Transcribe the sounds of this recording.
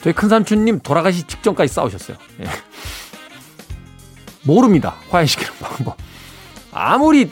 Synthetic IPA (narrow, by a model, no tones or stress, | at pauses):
teɡikʰɯnsʰamt͡ɕʰuɲːimtoɾaɣaɕ̬ʰit͡ɕi̥k̚t͡ɕ͈ʌŋk͈ad͡ʑis͈a̰oɕʰʌs͈ʌjo̰jḛ | moɾɯmɲida̰kwajeɕʰi̥ɡʰiɾʌnpakmbʌn | a̰muɾi